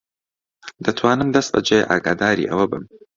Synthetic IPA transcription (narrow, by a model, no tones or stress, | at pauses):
d̪̥ɐt̪ʰwaːnɨmd̪ɐst̪̚bɐ̰d͡ʒej̰ʔaːɡaːd̪aːɾḭːʔɐwɐbɨ̰m